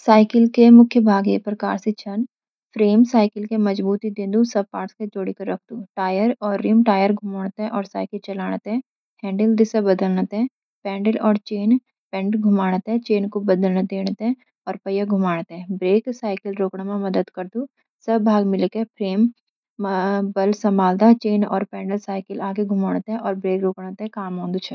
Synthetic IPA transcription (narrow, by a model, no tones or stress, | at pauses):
saːɪkɪlkemʊkʰjəbʱaːɡepɾɐka̰ːɾsit͡ʃʰɐn | pʰɾeːmsaːɪkɪlkemɐd͡ʒbuːt̪id̪ẽːnd̪usɐb̚paːʈsked͡ʒoːɽikɐɾːɐkʰd̪uʈaːjəɾɔːɾːɪmʈaːjəɾɡʱʊmaːɽ̃ət̪ɦɛ̃ʔɔːɾsaːɪkɪlt͡ʃɐlaːɽ̃ət̪ɦɛ̃ | hɛ̃ːɳɖəld̪ɪsɐbɐd̪əlnət̪ɦɛ̃ | pɛ̃ːɳɖəlɔːɾt͡ʃeːn | pɛ̃ɳʈɡʱʊmaːɽ̃ət̪ɦɛ̃t͡ʃeːnkobɐd̪əlnəd̪eːɽ̃ət̪ɦɛ̃ | ɔːɾpɐjaɡʱʊmaːɽ̃ət̪ɦɛ̃bɾeːksaːɪkəlɾoːkɽemẽmɐd̪əd̪kɐɾd̪u | sɐbbʱaːɡmɪlkepʰɾeːm | bɐlsɐmaːld̪at͡ʃeːnɔ̰ːɾpɛ̃ːɳɖəlsaːɪkəlaːɡeɡʱʊmaːɽət̪ɦɛ̃ʔɔːɾbɾeːkɾoːkɽ̃ət̪ɦɛ̃kaːmɦõːnd̪ut͡ʃʰɛ